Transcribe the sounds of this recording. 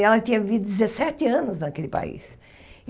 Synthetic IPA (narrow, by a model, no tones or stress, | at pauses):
ɛlɐt̪ĩɲɐvvid̪ʊd̪ɪzesɛt̪ɪɐ̃nʊznɐkelɪpa̰ḭs